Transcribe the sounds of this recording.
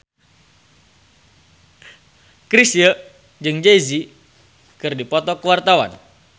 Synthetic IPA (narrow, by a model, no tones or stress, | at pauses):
kɾisijə | d͡ʒɨŋd͡ʒeizi | kɨrdipɔt̪ɔkəwart̪awa̰n